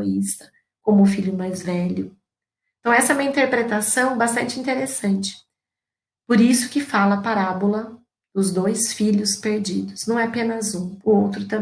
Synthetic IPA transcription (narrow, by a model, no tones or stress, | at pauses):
oist̪ɐ̥ | kõmʊːfiʎʊmajzvɛʎʊ | ẽt̪ɐ̃w̃ɛsɐɛũmɐĩnt̪eɾpɾet̪asɐ̃w̃bast̪ɐ̃nt͡ʃɪĩnt̪eɾesɐ̃nt͡ʃɪ̥ | poɾisʊ̥kɪfalɐpaɾabolɐ | d̪̥ʊzd̪ojsfiʎʊspeɾd͡ʒid̪ʊsnɐ̃w̃ɛapẽnɐzũʊowt̪ɾʊt̪ɐ̃